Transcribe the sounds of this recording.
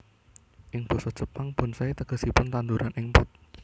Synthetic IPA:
ʔɪŋb̥ɔ̤sɔt͡ʃəpaŋb̥ɔ̤nsait̪əɡ̥ə̤sipʊnt̪and̪uɾanʔɪŋpʊt̪̚

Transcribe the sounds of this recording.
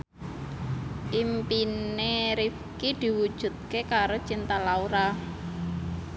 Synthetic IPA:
ʔimpineɾifkid̪̥i̤wud̥ʒ̥ṳt̪̚kekaɾot͡ʃint̪alauɾa

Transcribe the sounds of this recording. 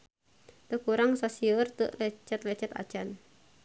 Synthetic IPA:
t̪əkuɾaŋsasiərt̪əʔlɛt͡ʃɛt̪̚lɛt͡ʃɛt̪a̰̥t͡ʃan

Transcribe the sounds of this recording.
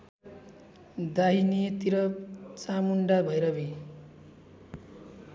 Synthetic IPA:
d̪aɦinit̪iɾʌt͡samuɳɖabʱʌjɾʌbi

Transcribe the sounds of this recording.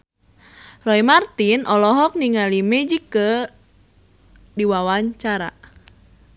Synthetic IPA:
rɔimart̪inʔɔlɔɦɔk̚niŋalimed͡ʒikə | diwawaɲt͡ʃaɾa̰

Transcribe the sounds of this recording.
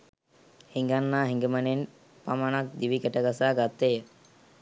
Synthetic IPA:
hiŋɡanːaːɦiŋɡəmənen | pamanak̚d̪iʋikɛʈəɡasaːɡat̪ːejə

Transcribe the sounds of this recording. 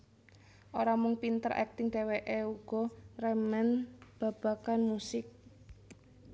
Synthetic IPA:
ʔoɾamʊŋpint̪əɾʔɛ̰k̚t̪ɪŋɖ̥e̤weʔeuɡ̥ɔ̤rɛmɛnb̥a̤b̥a̤kanmusɪk̚

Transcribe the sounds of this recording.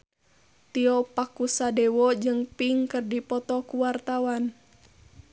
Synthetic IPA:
t̪iɔpakusadɛwɔd͡ʒɨŋpiŋkɨrdipɔt̪ɔkuwart̪awan

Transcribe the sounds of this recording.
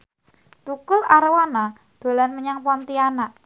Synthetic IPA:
t̪ukʊlaɾwana | d̪̥o̤lanməɲaŋpɔnt̪ianaʔ

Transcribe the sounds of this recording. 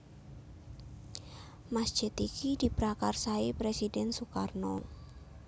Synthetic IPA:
masd͡ʒ̥ɛt̪ikidipɾakarsaipɾesidɛnsukarno

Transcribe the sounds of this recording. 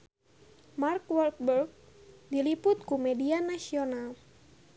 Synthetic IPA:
markwɔlk̚bərɡ̚dilipʊt̪̚kumɛdianasional

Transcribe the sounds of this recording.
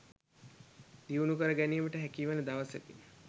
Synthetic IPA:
d̪̥iunukəɾəɡæniəməʈəɦækiːʋanəd̪aʋəsʋæ̰t̪in

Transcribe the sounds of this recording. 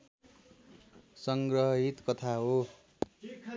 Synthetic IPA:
sʌŋɡrʌɦʌɦit̪kʌt̪ʰaɦo

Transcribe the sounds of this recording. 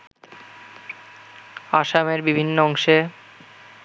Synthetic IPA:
aʃameɾbibʱinːoɔŋʃe

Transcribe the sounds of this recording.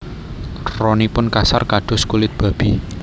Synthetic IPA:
rɔnipʊnkasarkaɖ̥ʊ̤skulɪt̪̚b̥a̤b̥i

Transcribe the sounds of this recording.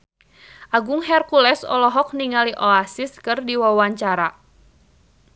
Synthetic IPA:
ʔaɡʊŋɦɛrkulɛsɔ̰lɔɦɔk̚niŋaliʔɔasiskɨrdiwawaɲt͡ʃaɾa

